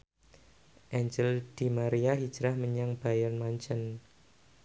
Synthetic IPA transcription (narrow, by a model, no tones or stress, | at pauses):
ʔɛɲd͡ʒəld̪̥i̤maɾiaɦid̥d͡ʒɾahməɲaŋb̥ajɔnmaɲt͡ʃən